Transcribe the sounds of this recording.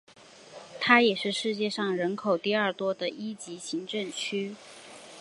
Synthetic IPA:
t̪ʰa˥jɛ˨˩ʂɻ̩˥˧ʂɻ̩˥˧t͡ɕjɛ˥˧ʂɑ˥˩ŋɻə˧˥nkʰo˨˩ʊt̪i˥˧ɐ˞˥˩t̪wɔ˥d̪ə˨i˥t͡ɕi˧˥ɕi˧˥ŋʈ͡ʂɤ˥˩ŋt͡ɕʰy˥

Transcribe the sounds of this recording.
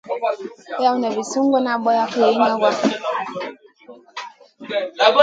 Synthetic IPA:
ja˦u˦na˨βi˨su˦ŋ˦ɡɔ˦na˨ɓɔ˦ja˦ke˨i˦ɲa˦wa˦

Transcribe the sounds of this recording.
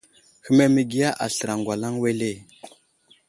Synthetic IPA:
hə˦me˦mi˦ɡi˦ja˦ʔa̰˨ɬə˨ɾa˨ŋɡʷwa˨la˦ŋwe˦le˦˨

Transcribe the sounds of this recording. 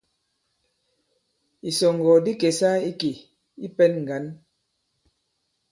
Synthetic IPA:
i˨sɔ˨ŋɡɔ˨di˦ke˨sa˦i˦ki˨ | i˦pɛ˦nŋ̩˨ɡa˨˦n

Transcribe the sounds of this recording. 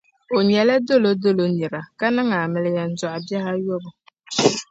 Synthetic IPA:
o˨ɲɛ˨la˦do˦lo˦do˦lo˨ni˨ɾa˨ka˦nɨ˦ŋa˨mɪ˨lɪ˨ja˨n̩˦zʊ˨ʔa˨bɛ˦ha˦jo˦bʊ˨

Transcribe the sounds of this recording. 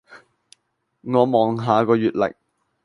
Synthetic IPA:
ŋɔː˨˧mɔː˨˧ŋɦaː˨˧kɔː˧jyː˨t̚lɛ̰˨˩k̚

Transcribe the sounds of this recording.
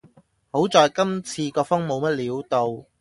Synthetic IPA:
ho˨˥wt͡sɔː˨jkɐ˥mt͡sʰiː˧kɔː˧fʊ˥ŋmo˨˧wmɐ˥t̚liː˨˥wt̪o˨w

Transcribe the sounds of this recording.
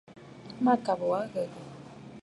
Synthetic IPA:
ma˨ka˨bɔ˨wa˦ɣɛ˨ɣə˨

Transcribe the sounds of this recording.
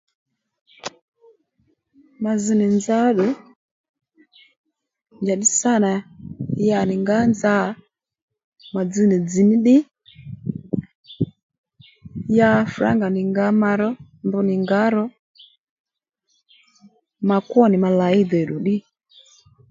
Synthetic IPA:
ma˨zi˨ni˨nd͡za˦ɗɔ˨ | nd͡ʒa˨ɗi˦sa˦˨na˨ja˨ni˨ŋɡa˦nd͡za˦˨˦ | ma˨d͡zi˦ni˨d͡zi˨ni˦ɗi˦ | ja˦fu˨ɾa̰˦ŋɡa˨ni˨ŋɡa˨˦ma˧˨ɾɔ˦ | nbu˨˦ni˨ŋɡa˨˦ɾɔ˦ | ma˨kɔ˦ni˨ma˨la˨i˦dɛ˨ɗu˨ɗi˦

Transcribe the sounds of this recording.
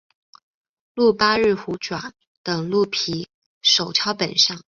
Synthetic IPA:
lu˥˩pa˥ɻ̩˥˩xu˧˥ʈ͡ʂwa˨˩˦n | t̪ɤ˨˩ŋlu˥˩pʰi˧˥ | ʂo˨˩ʊt͡ɕʰjɑ˥ʊpə˨˩nʂɑ˥˩ŋ

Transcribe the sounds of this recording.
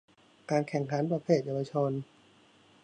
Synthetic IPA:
kaː˧nkʰɛ˨˩ŋkʰa˩˦˥npɾa˧pʰeː˥˩t̪̚jaː˧wa˧t͡ɕʰo˧n

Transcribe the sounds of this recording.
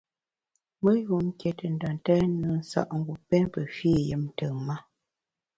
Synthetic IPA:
mə˦ju˨˦m˦kjɛ˨tə˨n̩˨da˨ntɛ˦nə˨˦n̩˦sa̰˦˨ʔŋ˦ɡu˨pɛ˦npə˨fi˦˨jə˦m˦tə˨ŋma˦

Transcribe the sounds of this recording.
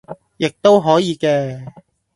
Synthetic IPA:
jɪ˨k̚t̪o˥wɦɔː˨˥jiː˨˧kɛː˧

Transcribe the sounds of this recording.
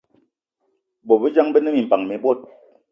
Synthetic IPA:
bo˨bə˦d͡ʒa˦ŋbə˦nə˦mi˨m̩˨pa˨ŋmɛ˨bo˦˨t̚

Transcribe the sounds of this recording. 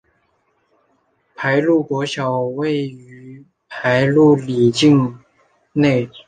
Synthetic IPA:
pʰa˧˥ɪlu˥˩kwɔ˧˥ɕjɑ˨˩ʊwe˥˩ɪy˧˥ | pʰa˧˥ɪlu˥˩li˨˩t͡ɕi˥˧ŋ | ne˥˩ɪ

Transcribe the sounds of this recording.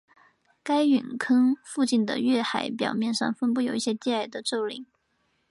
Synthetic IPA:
ka˥ɪy˨˩nkʰɤ˥ŋfu˥˧t͡ɕi˥˩nd̪ə̰˩ɥɛ˥˩xa˧˩˥ɪp̬jɑ̰˨˩ʊmjɛ˥˧nʂɑ̰˥˩ŋfə˥npu˥˩jo˨˩ʊi˥˩ɕjɛ˥t̪jɛ˥˧a˥˩ɪd̪ə˨ʈ͡ʂo˥˩ʊlḭ˨˧˩ŋ

